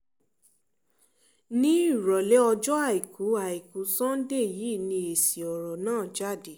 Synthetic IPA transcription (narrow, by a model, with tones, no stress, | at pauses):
nĩ˦i˦˨ɾɔ˨lɛ˦ɔ˧d͡ʒɔ˦a˦˨i˨kʰu˨˦a˨i˨ku˨˦sɔ̃˦n̩˦de˦˨ji˨˦˨nĩ˧e˨si˨ɔ˨ɾɔ˨nãː˦˨d͡ʒa˦˨de˨